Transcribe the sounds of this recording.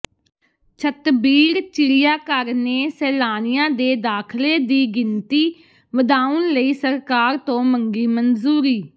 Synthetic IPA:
t͡ʃʰət̪biːɾt͡ʃɪlɪjaːkəɾneːsɛːlaːnɪjãːd̪eːd̪aːkʰleːd̪iːɡɪnt̪iː | ʋəd̪aːənləiːsəɾkaːɾt̪õːməŋɡiːmənzuːɾiː

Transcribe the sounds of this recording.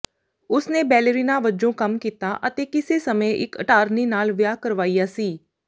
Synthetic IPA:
ʊsneːbɛːləɾiːnaːʋəd͡ʒõːkəmkiːt̪aːʔət̪eːkɪseːsəmẽːʔɪ̰kəʈaːɾniːnaːlʋjaːkəɾʋaːijaːsiː

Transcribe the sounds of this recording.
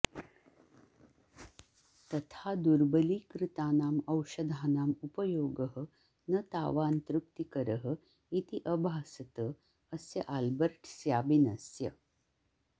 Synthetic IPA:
t̪ɐt̪ʰad̪uɾbəliːkɾɪt̪aːnaːmɐwʃɐd̪ʱaːnaːmupəjoːɡəɦə | nɐt̪a̰ːʋaːnt̪ɾuk̚t̪ikəɾəɦə̆ | it̪iʔəbʱaːsət̪ə | əsjɐʔalbəɾʈʰsjaːbinɐsjə

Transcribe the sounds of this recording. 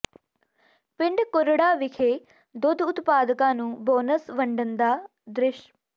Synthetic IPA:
pɪ̃ɳɖkʊɾɽaːʋɪkʰeː | d̪ʊd̪ʱʊt̪paːd̪kãːnũːbɔːnəsʋəɳɖənd̪aː | d̪ɾɪʃ

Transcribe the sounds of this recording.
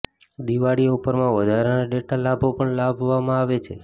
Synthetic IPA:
d̪iʋaɽiupəɾmãʋəd̪ʱaɾenaɖeʈalabʱopəɳlabʱʋamãaʋet͡ʃʰḛ

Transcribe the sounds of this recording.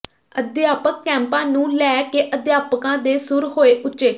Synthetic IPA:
əd̪jaːpəkːɛ̃ːmpãːnũːlɛːkeːʔəd̪jaːpəkãːd̪eːsʊɾɦoːeːʔʊtːʃeː

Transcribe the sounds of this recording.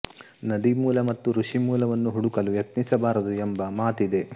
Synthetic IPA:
nɐd̪imuːlɐmɐt̪ːuɾuʂimuːlɐʋɐnːuɦuɽukɐlujet̪nisɐbaːɾɐd̪uɛmbɐmaːt̪id̪e̞

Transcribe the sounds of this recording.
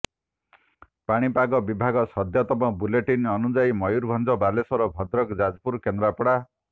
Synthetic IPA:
paɽ̃ipaɡɔbibʱaɡɔsʌd̪jat̪ɔmɔbuleʈinʌnud͡zajmʌjuɾbʱʌnd͡zʌbalesɔɾɔbʱʌd̪ɾɔkd͡zad͡zpuɾkend̪ɾapɽa

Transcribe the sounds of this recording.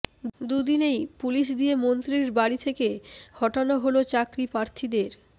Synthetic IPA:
d̪ud̪inejpuliʃ̬d̪ijemont̪ɾiɾbaɽit̪ʰekeɡɔʈonaɦolot͡ɕakɾipɾaɾt̪ʰid̪eɾ

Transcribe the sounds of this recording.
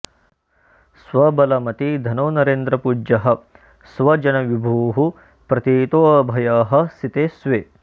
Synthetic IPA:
sʋɐbɐlɐmɐt̪id̪ʱɐnoːnɐɾeːnd̪ɾɐpuːd͡ʒɐɦɐ̆ | sʋɐd͡ʒɐnɐʋibʱuːɦu | pɾɐt̪iːt̪oːɐbʱɐjaːɦɐsit̪eːsʋeː

